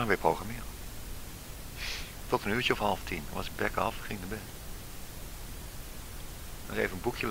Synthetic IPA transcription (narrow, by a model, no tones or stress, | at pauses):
ənʋɪprowχamɪː | tɔtənyːtjəɔfhɑlˠəftʰinʋɑsə̥bɛkɑ̰fχɪŋdəbɪn | əsejvənənbukʰjəl